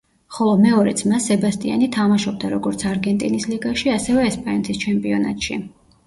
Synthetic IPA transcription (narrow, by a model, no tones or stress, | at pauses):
χɔlˠɔmɛɔɾɛ̰t̪sʰmasːɛbast̪ʼia̰nit̪ʰamaʃɔb̚d̪aɾɔɡɔɾt̪sʰaɾɡɛnt̪ʼinisliɡaʃiasɛvɛːspʼannt̪ʰist͡ʃʰɛmpʼiɔna̰t̪ʼʃḭ